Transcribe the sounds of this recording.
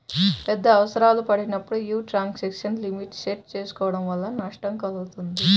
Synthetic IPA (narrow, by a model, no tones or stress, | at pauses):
pɛd̪ːɐːʋɐsɐɾaːlupɐɽinɐpːuɽujuːʈɾaːŋksekʂɐnlimiʈseʈ̚t͡ʃeːsu̥kɔːʋɐɽɐmʋɐlːɐnɐʂʈɐŋkɐluɡut̪und̪i